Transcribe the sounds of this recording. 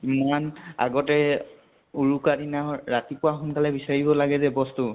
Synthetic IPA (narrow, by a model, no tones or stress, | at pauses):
imana̰ɡɔtɛ | uɹukadinaɹatipʊaxʊnkalɛbisaɹibɔlaɡɛzɛbɔstu